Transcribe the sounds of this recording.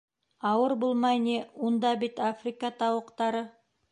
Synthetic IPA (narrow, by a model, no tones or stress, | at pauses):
ɑwəɾbolˠmɑjnewond̪ɑbɪt̪afrikɑt̪ʰɑwəqt̪ɑɾə